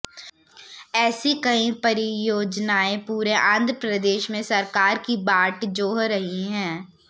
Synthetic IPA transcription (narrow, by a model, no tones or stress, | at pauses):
ɛːsikɐĩpɐɾijoːd͡ʒnaːẽpuːɾeʔãːnd̪ʱɾəpɾɐd̪eːʃmẽsɐɾkaːɾkibaːʈd͡ʒoːɦɾːɐɦiɦɛ̃ː